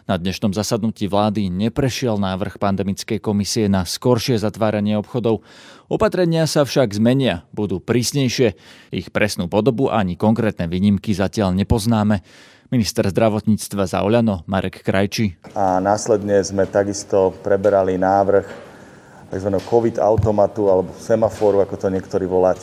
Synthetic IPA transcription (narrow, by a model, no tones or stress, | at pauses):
nad̪ɲɛʃnɔmzasad̪nuciːʋlaːd̪iɲɛpɾɛʃɪɛlnaːʋr̩xpand̪ɛmit͡skɛjkɔmisiɛnaskɔɾʃɪɛzat̪ʋaːɾaɲɪɛɔpxɔd̪ɔʊɔpat̪ɾɛɲɪasafʃaɡzmɛɲɪabud̪uːpɾiːsɲɛjʃɪɛixpɾɛsnuːpɔd̪ɔbuʔa̰aɲikɔŋkɾɛːt̪nɛʋiːɲimkizacɪaʎɲɛpɔznaːmɛ | minist̪ɛɾzd̪ɾaʋɔt̪ɲiːt͡st̪ʋaza̰ɔʎanɔmaɾɛkːɾajt͡ʃianaːslɛd̪ɲɛzmɛt̪aɡist̪ɔpɾɛbɛɾalinaːʋr̩x | t̪a̰ɡzʋanɦkʰɔʋid̪a̰ʊt̪ɔmat̪ualɛbɔsɛmafɔːɾuakɔt̪ɔɲɪɛkt̪ɔɾiːʋɔlaːcɛ